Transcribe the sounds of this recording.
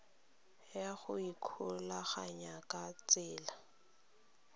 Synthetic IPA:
jaχʊikʰʊlaχaɲakʼat͡sɪːla

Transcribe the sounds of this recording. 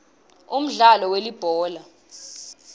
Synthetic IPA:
um̩ɮalɔwelib̥ʱɔːla

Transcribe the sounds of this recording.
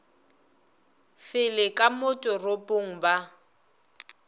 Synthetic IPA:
fɪlɪkʼamʊtʼʊropʼʊŋ̩ba

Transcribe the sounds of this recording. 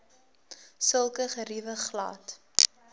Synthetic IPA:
səlˠkəχəɾivəχlɑ̰ːt

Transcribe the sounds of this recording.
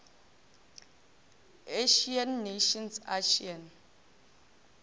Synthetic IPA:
eʃianːeʃɔnsaʃian

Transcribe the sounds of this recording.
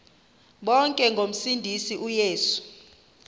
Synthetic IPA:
ɓɔŋkʼɛŋɡʱom̩sindʱisiʔujeːsu̥

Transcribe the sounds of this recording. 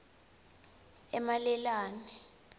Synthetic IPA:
ɛmalɛlaːni

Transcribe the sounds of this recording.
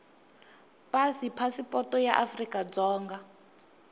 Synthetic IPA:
pʼasipʰasipʼɔtɔjaʔafrikʼad͡zɔːŋɡa

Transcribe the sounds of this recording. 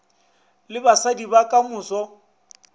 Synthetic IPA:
lɪbasadibakʼamʊːsɔ

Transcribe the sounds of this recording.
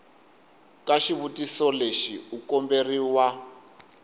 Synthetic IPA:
kaʃiβutisɔleʃiukɔmberiwa

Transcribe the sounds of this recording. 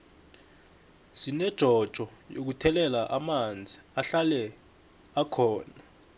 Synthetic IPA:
zinɛd̥ʒ̥ʱɔd̥ʒ̥ʱɔjok̬utʰɛlɛlaʔamand͡zʱiaɬalɛ | akʰɔːna

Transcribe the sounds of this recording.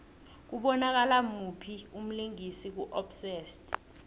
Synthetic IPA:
k̬uɓɔnak̬alamupʰium̩liŋisik̬uʔɔpsɛːstʼ

